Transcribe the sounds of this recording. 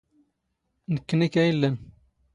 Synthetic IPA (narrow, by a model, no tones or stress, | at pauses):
nəkːnikæjəlːən